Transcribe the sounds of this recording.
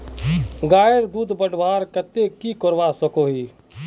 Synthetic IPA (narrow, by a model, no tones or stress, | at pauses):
ɡaːjəɾd̪uːd̪ʱbəɖbaːɾkət̪ekikoɾʋasəkoɦi